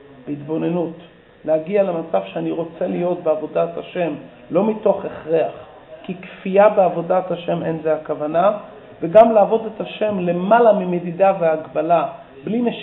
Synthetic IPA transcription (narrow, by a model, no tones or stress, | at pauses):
b̥eitbo̞ne̞nut | lehaɡiale̞mat͡savʃeaniʁo̞t͡se̞lijo̞t̚beavo̞dataʃe̞m | lo̞mito̞χe̞χʁeaχ | kikfiabeavo̞dataʃe̞me̞nzeakavana | veɡamleːvo̞detaʃe̞mle̞malamimedidaveaɡbala | blimeʃ